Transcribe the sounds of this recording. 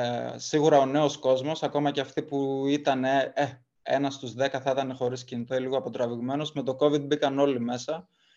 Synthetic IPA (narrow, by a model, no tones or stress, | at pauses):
siɣuɾɐo̞ne̞o̞sko̞zmo̞sɐko̞mɐceɐft̪ipuit̪ɐnee | ḛnɐst̪uzðe̞kɐθɐit̪ɐne̞xo̞ɾiscinit̪oiliɣoɐpo̞t̪ɾɐviɣme̞no̞zme̞t̪o̞ko̞vid̪̚bikɐno̞lime̞sɐ